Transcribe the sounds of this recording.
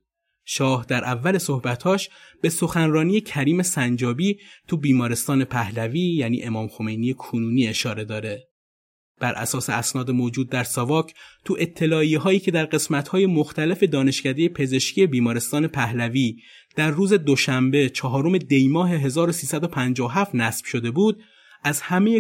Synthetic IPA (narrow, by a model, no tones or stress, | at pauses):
ʃɒːhd̪æɾʔævːæle̞sohbæt̪hɒːʃb̥e̞so̞xænrɒːnije̞cʰæɾiːme̞sænd͡ʒɒːbiːt̪ʰubiːmɒːɾe̞st̪ɒːne̞pʰæhlæviːjæːnḭːʔe̞mɒːmxome̞jnijekʰonuːniːe̞ʃɒːɾe̞d̪ɒːɾe̞ | b̥æɾʔæ̰sɒːseæsnɒːd̪emoːd͡ʒuːd̪̚ːæɾsɒvɒːcʰt̪ʰuʔe̞t̪ʰːe̞lɒːiːɦɒːiːcʰe̞d̪æɾɢe̞smæt̪hɒːje̞moxt̪æle̞fe̞d̪ɒːne̞ʃcæd̪e̞jepʰe̞ze̞ʃcʰiːe̞biːmɒːɾe̞st̪ɒːne̞pʰæhlæviː | d̪̥æɾːuːze̞d̪oʃæmbe̞t͡ʃʰɒːɦɒːɾo̞me̞d̪e̞jmɒːɦe̞ɦe̞zɒːɾosiːsæd̪o̞pʰænd͡ʒɒːoɦæft̪næsb̥ʃo̞d̪e̞buːd̪̥̚ | ʔæzhæme̞je